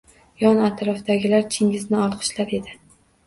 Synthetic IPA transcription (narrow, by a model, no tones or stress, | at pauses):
jɒnat̪ʰɾɒfd̪aɡʲɪlaɾt͡ʃʰɪŋʲɪznɪɒlˠqʰɨ̥ʃlaɾe̞d̪ɪ